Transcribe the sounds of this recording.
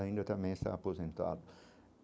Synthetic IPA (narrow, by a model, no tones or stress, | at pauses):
aĩnd̪ɐt̪ɐ̃mbẽj̃ɪst̪a̰ːpozẽnt̪a̰d̪ʊ